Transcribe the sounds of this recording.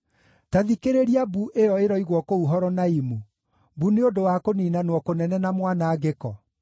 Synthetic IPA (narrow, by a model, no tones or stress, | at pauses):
taðikeɾeɾiabuʔejɔeɾɔiɣwɔkouɦɔɾɔnaimu | buneodowakoniːnanwɔkonɛnɛnamwanaːɡekɔ